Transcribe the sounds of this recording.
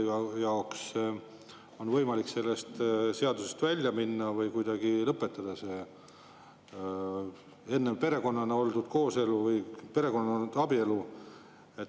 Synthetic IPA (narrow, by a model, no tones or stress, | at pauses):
ɑjɑoks | o̞nvɤjmɑlikse̞lːe̞st̪se̞ɑd̪use̞st̪vælʲjɑminːɑvɤjkujd̪̥ɑɡ̥ilɤpːˑet̪ːˑɑd̪̥ɑse̞ | e̞nːepe̞ɾe̞ko̞nːɑneo̞ld̪ud̪̥ko̞ːse̞luvɯjpe̞ɾe̞ko̞nːɑoud̪̥ɑbie̞lu | et̪ː